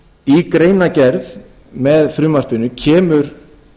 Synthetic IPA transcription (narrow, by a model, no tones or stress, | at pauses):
ikɾeːjnacɛɾð | mɛðfɾʏːmar̥pʏnʏcʰɛːmʏɾ̥